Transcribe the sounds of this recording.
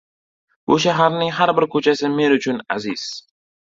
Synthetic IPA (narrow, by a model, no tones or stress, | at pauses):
bʊʃ̬aɦaɾnɪŋɦaɾbɪɾkʰɵt͡ʃʰasɪme̞nʊt͡ʃʰʊna̰zɪz̥